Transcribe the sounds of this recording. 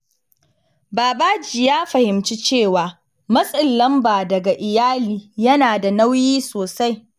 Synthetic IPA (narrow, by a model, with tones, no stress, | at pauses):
baː˨baː˦d͡ʒɪ˨jaː˦ɸɐ˨hɪ˨mt͡ʃi˦t͡ʃeː˦˨waː˨ | mɐ˦sʼɪ˨lːɐ˦mbaː˨dɐ˨ɡa˨ʔɪ˨jaː˦liː˨jɐ˦naː˨da˨na˦wjiː˦soː˨sa˦j